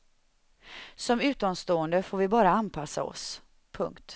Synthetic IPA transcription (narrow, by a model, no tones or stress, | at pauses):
sɔmʉ̟ːt̪ɔmst̪oːənd̪əfoːɾvɪbɑːɾaanpʰasa̰ɔ̰s | pʰɵ̰ŋkt̪